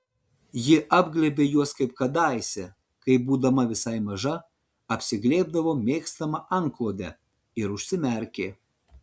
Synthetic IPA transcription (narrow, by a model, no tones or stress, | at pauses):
jɪʔɑːbɡlʲɛbʲeːjuɔskɐɪp̚kɐd̪ɑˑɪsʲɛ | kɐɪbuːd̪ɐmɐʋʲɪsɐɪmɐʒɐ | ɐpʲsʲɪɡlʲeːb̚d̪ɐʋoːmʲeːkst̪ɐmɐʔɐŋklˠoːd̪ʲɛ | ɪɾʊʃʲsʲɪmʲɛɾʲkʲeː